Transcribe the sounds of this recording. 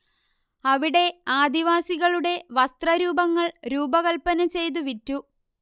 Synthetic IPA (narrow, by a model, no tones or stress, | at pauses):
ɐʋiɽe̞aːd̪iʋaːsiɣɐɭuɽe̞ʋɐst̪rɐɾuːbɐŋːɐɭɾuːbɐɣɐɭpːɐnɐmt͡ɕe̞jt̪̬uʋitːu